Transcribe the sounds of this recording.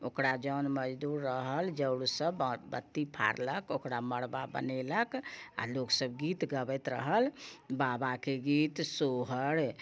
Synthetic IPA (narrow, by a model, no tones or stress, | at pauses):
okɾad͡ʒənməd͡ʒd̪uɾːəɦəld͡ʒəwɽsəbbət̪ːipʰa̰ɾləkokɾaməɽbabə̰neləka̰loksəbɡit̪ɡəbɛt̪ɾə̰ɦəlbabakeɡit̪soɦəɽ